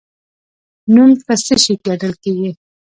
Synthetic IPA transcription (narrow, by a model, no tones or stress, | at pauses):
numpəsəʃikeɖəlkeɡi